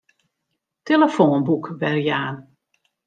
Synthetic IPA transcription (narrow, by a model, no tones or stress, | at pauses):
teləfoːnbukʋɛrjaːn